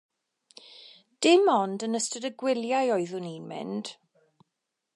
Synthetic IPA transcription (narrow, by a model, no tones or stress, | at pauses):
d̥ɪmɔndənəstədəɡwɪljajɔɨðʊninmɪ̰nd̥